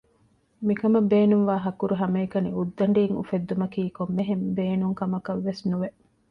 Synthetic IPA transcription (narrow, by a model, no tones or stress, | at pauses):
mikɐmɐbeːnuŋʋaːɦɐkuɾuɦɐmeːkɐniud̪ːɐɳɖiːŋṵfed̪ːumɐkiːkomːeɦembeːnuŋkɐmɐkɐʋːesnuʋeʔ